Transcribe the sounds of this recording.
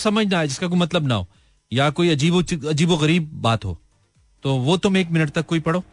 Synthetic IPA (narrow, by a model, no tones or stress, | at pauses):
sɐməd͡ʒʱnaːed͡ʒɪskak̬oːimɐt̪ləbnɐ̰ɦo̰ː | jakoːiɐd͡ʒiːboɐd͡ʒiːboɣɐɾiːb̚ːaːt̪ɦo̰ː | t̪oːʋot̪ʊmeːkmɪnəʈt̪ɐkːoːipɐɽoː